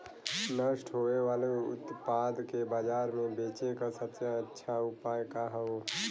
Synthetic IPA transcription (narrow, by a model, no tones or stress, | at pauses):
nəʃʈɦoeʋaːleʊ̰t̪paːd̪kebaːd͡ʒaːɾmẽbeːt͡ʃekasətsjaətːʃʰaʊpaːjkaɦɛo